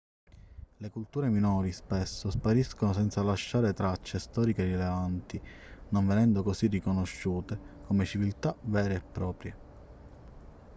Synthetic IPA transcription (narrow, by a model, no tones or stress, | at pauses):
lekult̪uːɾeminɔːɾispesːospaɾiskonos̬ɛnt̪salaʃːaːɾet̪ɾat͡ʃːest̪ɔːɾikerilevant̪i | noɱvenɛnd̪okosirikonoʃːuːt̪ekomet͡ʃivilt̪avɛːɾeːpːɾɔːpɾje